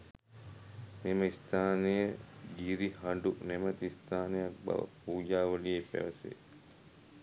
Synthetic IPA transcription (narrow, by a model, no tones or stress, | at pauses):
neməist̪ʰaːnejəɡiɾihaɳɖunemət̪iist̪ʰaːnejak̚bɐ̰ʋə̰puːd͡ʒaːʋəlijepæ̰ʋɐsḛː